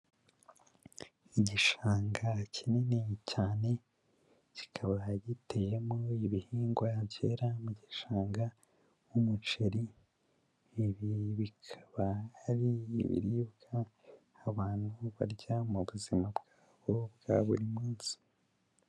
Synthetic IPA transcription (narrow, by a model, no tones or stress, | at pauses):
iɟiʃaːŋɡacininecaːne̞ | ci̥kʰaβaɟite̞jemoiβihiːŋɡwaɟeːɾamuɟiʃaːŋɡa | wumut͡ʃeɾi | βiβikʰḁβaːɾḭːβḭɾibɡaː | βaːn̥huβa̰ɾɟamuβuzimabɡ̥aːβo̞bɡa̰βṵɾimuːzi̥